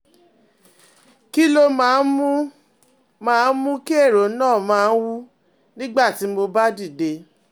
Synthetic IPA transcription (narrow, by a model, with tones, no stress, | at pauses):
ki˦lo˧mã˨˦mu˦ | mãː˦˧˦n̩˦mũ˦ki˦e˦˨ɾo˨˦nãː˦˨mãː˨˦˧n̩˦wu˦ | nĩ˦ɡ͡ba˦˨ti˨˦mo˧ba˦di˦˨de˧